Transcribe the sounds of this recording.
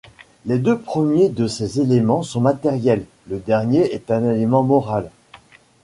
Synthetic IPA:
led̪øpχəmjed̪əsezelemɑ̃sɔ̃mat̪ɛʁjɛlː | əd̪ɛʁnjeɛt̪ɛ̃nelemɑ̃mɔʁal

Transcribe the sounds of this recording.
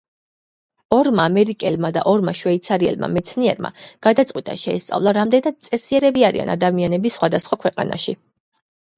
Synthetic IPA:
ɔɾmaːmɛɾikʼɛlmad̪a̰ʔɔɾmaʃwɛit̪sʰaɾiɛ̰lma̰mɛt̪sʰniɛɾma̰ɡ̥ad̪at̪sʼqʼwit̪ʼa̰ʃɛːst̪sʼa̰vlˠaɾamd̪ɛnad̪̥̚t̪sʼɛsiɛɾɛbiaɾḭa̰na̰d̪amianɛbisːχwad̪asχwakʰwɛqʼa̰na̰ʃi

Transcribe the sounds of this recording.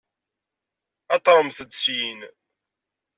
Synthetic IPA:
ɑt̪ˤːɾˤəmθəd̪sjin

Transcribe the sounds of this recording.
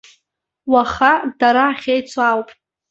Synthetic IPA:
waχadaɾaːχʲejt͡sʰawpʼ

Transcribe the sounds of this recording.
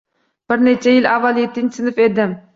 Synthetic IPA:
b̥ɪɾnet͡ʃʰajɪlavːalˠjet̪ːɪnt͡ʃsɪnɪfed̪ɪm

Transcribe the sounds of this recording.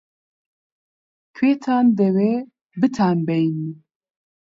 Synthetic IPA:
kʰweːt̪ʰaːnd̪ɛweː | bɨt̪ʰaːnbɛjni

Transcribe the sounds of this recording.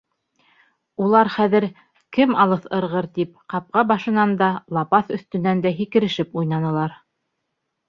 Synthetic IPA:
ulˠɑɾχæðɘ̆ɾ | kɘmɑlˠɤθɤ̆ɾʁɤɾt̪ip̚qɑp̚qɑbɑʃɤ̆nɑnd̪ɑlˠɑpɑθɵ̆θt̪ɵ̆nænd̪æɦikɘ̆ɾɘ̆ʃɘpujnɑnɤ̆lˠɑɾ

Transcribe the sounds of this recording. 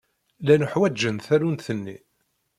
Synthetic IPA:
lænuħwæd͡ʒːənθæɾunθənːi

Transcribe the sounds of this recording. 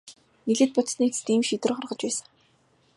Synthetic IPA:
niɮɘ̆t̪̚pɔt̪sniːkt͡st̪iːmʃit̪ɘ̆rχɔrʁə̆t͡ɕpæːsə̆ŋ

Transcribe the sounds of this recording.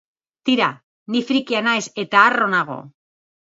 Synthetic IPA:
t̪iɾa | nifɾikianajse̞t̪aːronaɣo̞̰

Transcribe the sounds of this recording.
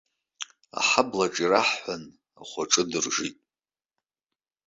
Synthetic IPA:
a̰ħablaʈ͡ʂʼiraħħʷan | aχʷaʈ͡ʂʼɨdɨrʐitʼ

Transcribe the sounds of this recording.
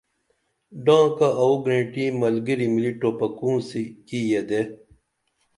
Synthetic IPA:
ɖãːkaʔɐuɡɾẽːʈĩmɐlɡiɾimiliʈoːpɐkũːsikiːjed̪e

